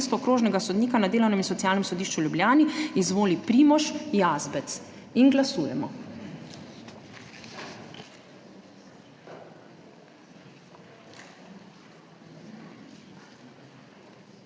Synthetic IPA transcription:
st̪ɔkɾoːʒnɛɡasɔd̪niːkanad̪eːlɔwnɛminsɔt̪sjaːlnɛmsɔd̪iːʃt͡ʃuljublʲjaːniizʋoːlipɾiːmɔʃjaːzbɛt̪sinɡlasuːjɛmɔ̰

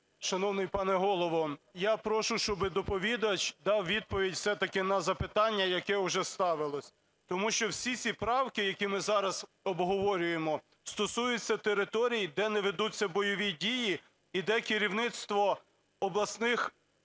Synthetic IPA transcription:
ʃɐnɔwnɪjpɑnɛɦɔlˠɔʋɔjɑpɾɔʃʊʃt͡ʃɔbɪd̪ɔpɔʋʲid̪ɐt͡ʃd̪ɑwʋʲid̪̚pɔʋʲidʲfsɛt̪ɐkɪnɐzɐpɪt̪ɑnʲːɐjɐkɛʊʒɛst̪ɑʋɪlˠɔsʲ | t̪ɔmuʃt͡ʃɔwsʲit͡sʲipɾɑwkɪjɐkʲimɪzɑɾɐz | ɔbɦɔʋɔɾʲʊjemɔ | st̪ɔsujʊt͡sʲːɐt̪eɾɪt̪ɔɾʲijid̪ɛnɛʋed̪ut͡sʲːɐbɔjɔʋʲidʲiji | id̪ɛkɪɾʲiwnɪt̪st̪ʋɔ | ɔblˠɐsnɪx

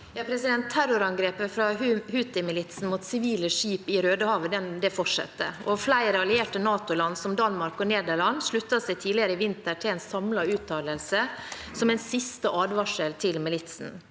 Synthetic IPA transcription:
jɑpʰɾɛsɪd̪ɛnt̪ʰːæɾʊɾɑŋɡɾeːpəfɾɑhʉːt̪ɪmɪlɪt̪sn̩muːt̪sɪʋiːləʂiːpɪɾøːd̪əhɑːʋəd̪ɛnd̪ɛfɔʈʂɛ̰t̪ːə̰ɔflæɪɾɑljeːʈənɑːt̪ʊlɑnːsɔmd̪ɑnmɑɾkɔneːd̪əɭɑnʂɭʉt̪ːɑsæɪt̪ʰiːlɪəɾəɪʋɪnt̪əʈʰɪlɛnsɑmlɑʉːt̪ʰːɑːləlsə | sɔmɛnsɪst̪əʔɑːd̪ʋɑʂəlt̪ʰɪlmɪlɪt̪sn̩

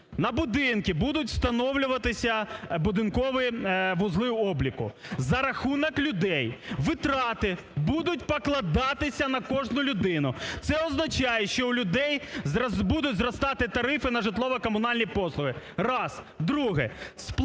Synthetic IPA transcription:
nɐbʊd̪ɪnkʲibud̪ʊtʲst̪ɐnɔwlʲʊʋɐt̪ɪsʲɐbʊd̪ɪnkɔʋɪʋʊzlˠɪʊɔblʲikʊzɐɾɐxunɐklʲʊd̪ɛjʋɪt̪ɾɑt̪ɪ | bud̪ʊtʲpɔklˠɐd̪ɑt̪ɪsʲɐnɐkɔʒnʊlʲʊd̪ɪnʊt̪sɛɔznɐt͡ʃajɛʃt͡ʃɔwlʲʊd̪ɛjbud̪ʊtʲzrɔst̪ɑt̪ɪt̪ɐɾɪfɪnɐʒɪt̪lˠɔʋɐkɔmʊnɑlʲnʲipɔslˠʊɦɪ | rɑs | d̪ɾuɦɛsp

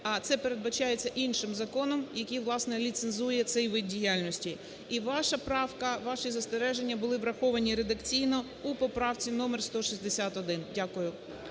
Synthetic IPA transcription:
ɐt̪sɛpe̞ɾe̞d̪̚bɐt͡ʃajet͡sʲːɐʔinʃɪmzɐkɔnɔmjɐkʲiʋlˠɑsnɛlʲit̪senzujɛt̪sɛjʋɪd̪̚dʲijalʲnɔsʲtʲi | iʋɑʃɐpɾɑwkɐʋɑʃizɐst̪eɾɛʒe̞nʲːɐbʊlˠɪʋɾɐxɔʋɐnʲiɾe̞d̪ɐkt͡sʲijnɔ | upɔpɾɑwt͡sʲinɔmerst̪ɔʃizʲd̪esʲat̪ɔd̪ɪndʲakʊjʊ

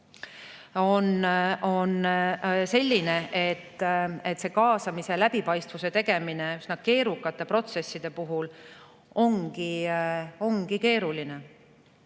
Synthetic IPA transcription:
o̞no̞nse̞lʲːine̞ʔet̪ːet̪ːse̞kɑːsɑmise̞læb̥ipɑjst̪vuse̞t̪e̞ɡ̥e̞mine̞ysnɑke̞ːɾukːˑɑt̪ːˑe̞pro̞t̪se̞sːid̪̥e̞puɦul | o̞ŋɡi | o̞ŋɡike̞ːɾuline̞

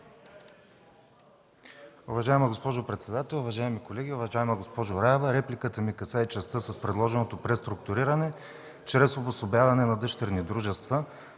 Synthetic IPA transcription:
ʊvɐʒaɛməɡospɔʒʊpɾɛt̪sɛd̪at̪ɛlˠʊvɐʒaɛmikolɛɡʲiʊvɐʒaɛmɐɡospɔʒʊɾavəɾɛplikət̪əmikɐsait͡ʃɐst̪ɤsɐspɾɛd̪lˠɔʒɛnot̪opɾɛst̪ɾʊkt̪ʊɾiɾɐnɛ | t͡ʃɾɛsobosobʲjavɐnɛnɐd̪ɤʃt̪ɛɾnid̪ɾuʒɛst̪və

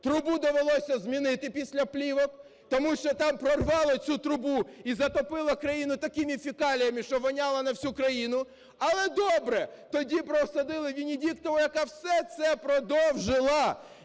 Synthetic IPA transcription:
t̪ɾʊbud̪ɔʋelˠɔsʲɐzmʲinɪt̪ɪpʲisʲlʲɐplʲiʋɔk | t̪ɔmuʃt͡ʃɔt̪ɑmpɾɔrʋɑlˠɐt͡sʲut̪ɾʊbuizɐt̪ɔpɪlˠɐkɾɐjinʊt̪ɐkɪmʲifʲikɑlʲijɐmɪʃt͡ʃɔʋɐnʲɑlˠɐnɐwsʲukɾɐjinʊ | ɐlˠɛd̪ɔbɾɛt̪ɔdʲipɾɔsɐd̪ɪlˠɪʋʲinʲidʲikt̪ɔlˠɔjɐkɑwsɛt̪sɛpɾɔd̪ɔwʒɪlˠɐ

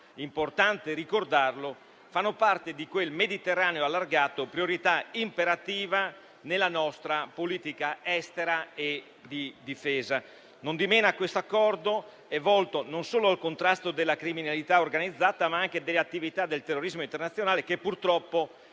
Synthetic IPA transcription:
import̪ant̪eɾikord̪arlo | fanːopart̪ed̪ikwelmed̪it̪erːaːneoalːarɡaːt̪opɾioɾit̪aimpeɾat̪iːva | nelːanɔst̪ɾapoliːt̪ikaɛst̪eɾae | d̪id̪ifeːza | nond̪imeːnakwest̪oakːɔrd̪o | ɛvɔlt̪ononsoːloalkont̪ɾast̪od̪elːakɾiminalit̪aorɡanid̪zːaːt̪amaaŋk̟ed̪elːeat̪ːivit̪ad̪elt̪erːoɾizmoint̪ernat̪sːjonaːlek̟epːurt̪ɾɔpːo

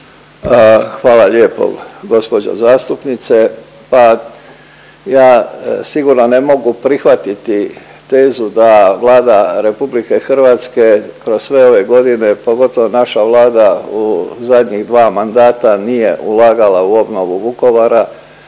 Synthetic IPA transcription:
xʋaːlaʎeːpo̰ɡo̞spo̞d͡ʑo̰zaːst̪upnit̪se̞ | pa | jaːsiɡuɾno̞ne̞mo̞ɡupɾixʋat̪it̪i | t̪e̞ːzud̪aʋlˠaːd̪aɾe̞publike̞xrʋaːt̪ske̞kɾo̞ssʋe̞o̞ʋe̞ɡo̞d̪ine̞po̞ɡo̞t̪o̞ʋonaʃaʋlˠaːd̪auzad̪ɲiɣd̪ʋaːmand̪aːt̪anije̞ʔulaːɡalauo̞bnoʋuuko̞ʋaɾa

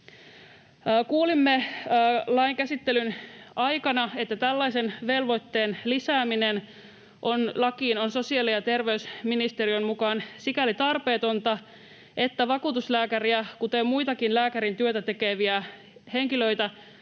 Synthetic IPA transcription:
kuːlimːeː | lɑiŋkæsit̪ːelynɑjkɑnɑet̪ːæt̪ælːɑise̞nʋe̞lʋojt̪ːe̞ːnlisæːminen | ʔonlɑkiːnonso̞siɑlijɑt̪e̞rʋe̞ysminist̪erijo̞nmukɑːnsikælit̪ɑrpe̞ːt̪ont̪ɑ | ʔe̞t̪ːæʋɑkuːt̪uslæːkæriækut̪emmuit̪ɑkinlæːkæɾint̪yøt̪æt̪e̞keʋiæ | he̞ŋkilø̞it̪æ

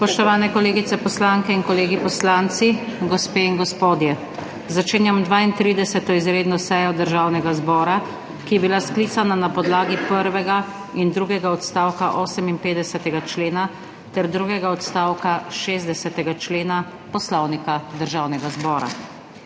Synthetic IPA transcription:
spɔʃt̪ɔʋaːnɛkɔleːɡit̪sɛpɔslaŋkɛinkɔleːɡipɔslaːnt̪siɡɔspeːinɡɔspoːd̪jɛ | zat͡ʃeːnjamd̪ʋaint̪ɾiːd̪ɛsɛt̪ɔizɾeːd̪nɔsɛjɔd̪əɾʒaːwnɛɡazbɔːɾa | kijɛbilaskliːt̪sananapɔd̪laːɡipəɾʋɛɡa | ind̪ɾuːɡɛɡaɔt̪st̪aːwkaʔɔːsɛminpeːd̪ɛsɛt̪ɛɡat͡ʃleːna | t̪ɛɾd̪ɾuɡɛɡaɔt̪st̪aːwkaʃeːzd̪ɛsɛt̪ɛɡat͡ʃleːna | pɔslɔwnikad̪əɾʒaːwnɛɡazbɔːɾa̰

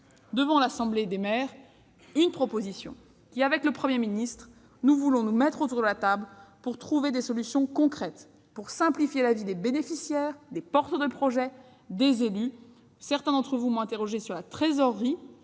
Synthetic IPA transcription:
d̪əvɑ̃lasɑ̃bled̪emɛːʁ | ynpχɔpozisjɔ̰̃ | kʲiavɛkləpχəmjeminist̪χ | nuvulɔ̃numɛt̪χot̪uʁd̪əlat̪ablpuʁt̪χuved̪esɔlysjɔ̃kɔ̃kχɛt̪ | puʁsɛ̃plifjelavid̪ebenefisjɛʁd̪epɔʁt̪əd̪əpχɔʒɛ | d̪ezely | sɛʁt̪ɛ̃d̪ɑ̃t̪χəvumɔ̃ɛ̃t̪eʁɔʒesyʁlat̪χezɔʁːi

